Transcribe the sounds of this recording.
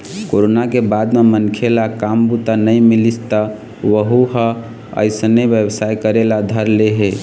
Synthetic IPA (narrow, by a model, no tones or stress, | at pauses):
koɾonakebad̪memənkʰelakambut̪anəjmilist̪ə | ʋəɦuɦə̃ | ə̰ɪsneʋjəbsajkəɾelad̪ʱəɾleɦe